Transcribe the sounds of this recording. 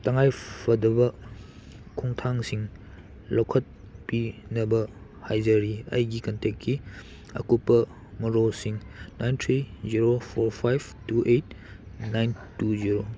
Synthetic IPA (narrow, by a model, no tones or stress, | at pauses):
tɐŋajpʰɐdɐbɐ | kʰuŋtʰaŋsiŋ | lokʰɐt̚ | pinɐbɐ | hajzɐɾiɐ̰jɡikɐntekkːi | ɐ̰kupːɐ | mɔɾosiŋnajntʰɾiziɾopʰoɾpʰajbtuʔetnajntuziɾo